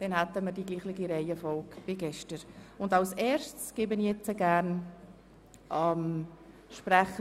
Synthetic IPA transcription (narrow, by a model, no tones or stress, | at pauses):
d̥ɛnhat̪əmədiɡliːχlɪɡiɾeɪəfɔlkb̥ɪɡɛʃtəɾʊndɑlsɛːɾʃtsɡ̥eːbənjɛt͡səɡæːɾn | ʔɑm | ʃpræχə